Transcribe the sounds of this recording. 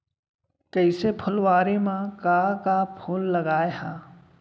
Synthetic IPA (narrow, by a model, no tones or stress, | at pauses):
kəɪsepʰʊlwaːɾimãkaːkapʰʊlːɐɡaːehaː